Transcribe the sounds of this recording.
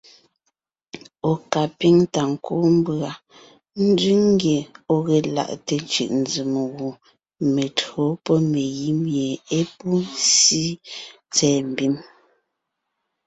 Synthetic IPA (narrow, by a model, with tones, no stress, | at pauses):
o˨ka˨pi˦ŋta˨ŋ̩˨ku˦m̩˦bɰa˨ | n̩˦di˦ŋ˦ɡje˨o˦ɣɛ˨la̰˨ʔte˨t͡ʃɯ̰˨ʔn̩˨d͡zi˨mɣu˨ | me˨tho˨˦pɔ˦me˨ɣi˦mje˨e˦pu˦n˦si˦ | t͡sɛː˨m̩˨bi˦m